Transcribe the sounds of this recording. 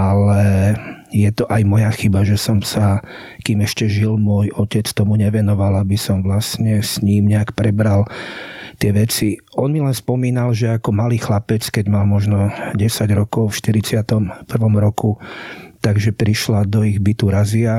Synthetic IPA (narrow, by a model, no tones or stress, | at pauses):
ʔalɛ | jɛt̪ɔʔajmɔjaxibaʒɛsɔmsa | kiːmɛʃcɛʒilmʊɔjɔcɛt͡st̪ɔmuɲɛʋɛnɔʋalabisɔmʋlasɲɛsɲiːmɲɛakpɾɛbɾal | t̪ɪɛʋɛt͡si | ɔnmilɛnspɔmiːnalʒɛakɔmaliːxlapɛt͡skɛɟmalmɔʒnɔɟɛsaɟɾɔkɔʊfʃt̪iɾit͡sɪat̪ɔmpr̩ʋɔmɾɔkut̪aɡʒɛpɾiʃlad̪ɔiɣbit̪uɾazia